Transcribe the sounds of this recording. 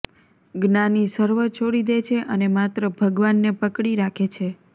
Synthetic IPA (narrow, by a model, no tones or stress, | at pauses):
ɡnanisəɾʋət͡ʃʰoɽid̪et͡ʃʰeʔənemat̪ɾəbʱəɡʋanːepəkɽiɾakʰet͡ʃʰe